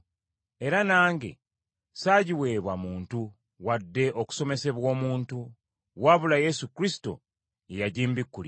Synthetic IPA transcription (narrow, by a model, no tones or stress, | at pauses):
e̞ɾanaːŋɡe̞̰ | saɟiwe̞ːβwamuːntu | wadːe̞ʔo̞ku̥so̞me̞se̞βwo̞ːmuːntu | waβulaje̞sukɾisi̥to̞̰ | ejaɟiːmbikːuli